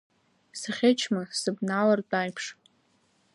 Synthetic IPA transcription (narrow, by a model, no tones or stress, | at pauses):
sɨχʲet͡ʃʰmasɨbnalartʼajpʰʂ